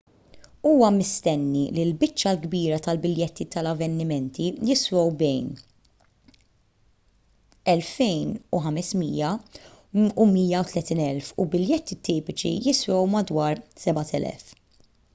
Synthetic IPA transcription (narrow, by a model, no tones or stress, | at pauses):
uːwɐmɪst̪ɛnːililbɪt͡ʃːɐlɡbiːɾɐt̪ɐlbɪljɛt̪ːit̪ɐlɐvːɛnːɪmɛnt̪ijɪswɔwbɛjn | ɛlfɛjnuħɐmɛsmiːjɐ | umiːjɐut̪lɛt̪iːnɛlfubɪljɛt̪ːit̪iːpɪt͡ʃḭjɪswɔwmɐd̪wɐːɾsɛbɐt̪ʰɛ̰lɛ̰f